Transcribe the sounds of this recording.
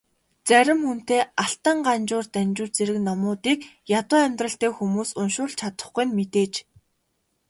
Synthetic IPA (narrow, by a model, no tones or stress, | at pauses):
t͡sæɾʲɪ̆mxun̥t̪eːaɬt̪ə̆ɴɢant͡ɕʊːrt̪ænʲt͡ɕʊːt͡ɕt͡seɾɘ̆knɔmʊːt̪iːk | jat̪ʊːæmʲt̪rə̆ɬt̪eːxumuːsʊnʃʊːɮt͡ɕʰat̪ə̥̆χɡujnmet̪eːt͡ɕ